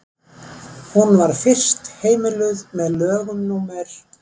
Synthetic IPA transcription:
hunvaɾ̥fɪr̥st̪heːjmɪlʏðmɛðlœːɣʏmnuːmɛɾ̥

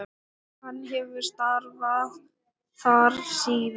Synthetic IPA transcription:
hanːɦɛvʏɾ̥st̪aɾva | θaɾsiːð

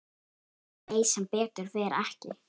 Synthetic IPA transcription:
eːjsɛmpɛːt̪ʏɾ̥vɛːɾɛhcɪ̰

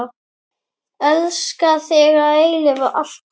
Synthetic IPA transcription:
ɛlskaθɛɣaejlɪvaʔaɬ

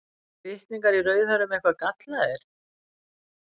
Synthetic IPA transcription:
ɪhkniŋkaɾirœːɥðhœɾʏmɛhkvakat̪laðɛɾ̥

